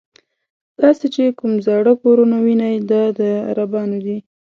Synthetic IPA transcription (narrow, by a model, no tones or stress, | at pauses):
d̪̥ɑset͡ʃekʊmzɑɽəkoɾunawinajd̪ɑd̪əa̰ɾabɑnod̪i